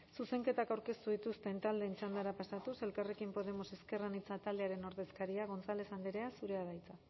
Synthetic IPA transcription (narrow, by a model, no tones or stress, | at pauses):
suse̞ŋke̞t̪akawɾke̞st̪uðit̪ust̪e̞nt̪ald̪e̞nt͡sand̪aɾapasat̪use̞lkare̞kimpo̞ðe̞mo̞se̞ske̞ranit͡sat̪ald̪e̞aɾe̞no̞ɾðe̞skaɾiaɣ̞o̞nt͡salesand̪iɾeasuɾe̞aðajt͡sa